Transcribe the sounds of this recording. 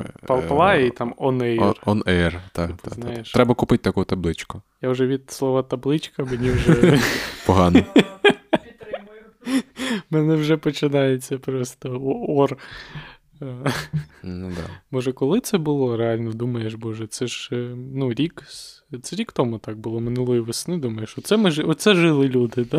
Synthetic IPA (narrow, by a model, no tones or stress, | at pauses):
pɐlˠplˠɑit̪ɑmɔnɛrɔnɛrt̪ɑp̪znɑjeʃɾɛbɐkʊpɪtʲt̪ɐkut̪ɐblˠɪt͡ʃkʊjawʒɛʋʲid̪slˠɔʋɐt̪ɐblˠɪt͡ʃkɐmenʲiwʒɛpɔɦɑn | menɛwʒɛpɔt͡ʃɪnɑjet͡sʲːɐpɾɔst̪ɔɔr | d̪a̰bɔʒɛkɔlˠɪt̪sɛbʊlˠɔɾeɑlʲnɔd̪umɐjeʃbɔʒɛt̪sɛʒnuɾʲik | t̪sɛɾʲikt̪ɔmut̪ɑk̚bʊlˠɔmɪnɪlˠɪʋɪsnɪd̪umɐjeʃɔt̪sɛmɪʒɛɔt̪sɛʒɪlˠɪlʲud̪ɪd̪a